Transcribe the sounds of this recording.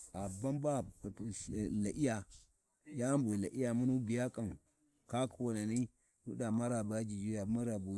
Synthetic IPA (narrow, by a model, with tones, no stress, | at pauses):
a˨ba˦mba˦˨ | la˨ʔi˦ja˨ | ja˦mbo˨la˨ʔi˦ja˨mu˦nu˦bi˨ja˦kʼa˨n | ka˦kʰwo˨na˨ni˦ | wu˦da˨ma˦ɾa˨ba˦d͡ʒi˨d͡ʒu˦ja˨˦ma˦ɾa˨bu˨